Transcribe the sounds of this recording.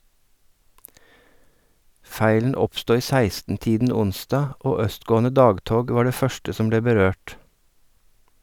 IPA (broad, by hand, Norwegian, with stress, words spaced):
ˈfæɪlən ˈɔpstoː ˈiː ˈsæɪstn̩ ˈtiːdn̩ ˈʊnsdɑː ˈʔoː ˈœstˌɡoːn̩ə ˈdɑːɡˌtoːɡ ˈʋɑːɾ ˈdeː ˈfœʃtə ˈsɔm ˈbleː bəˈɾøːʈ